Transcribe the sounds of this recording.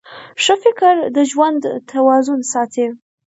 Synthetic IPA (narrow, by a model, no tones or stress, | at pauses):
ʂəfɪkəɾd̪əʒwand̪t̪ʰawɑzʊnsɑt̪ʰe